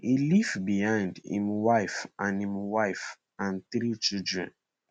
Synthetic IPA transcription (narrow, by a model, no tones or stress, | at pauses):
ilivbihãɪ̃ndhḭ̃mwaɪfʔãnĩmwaɪf | ãnθɾit͡ʃildɹɛ̰̃n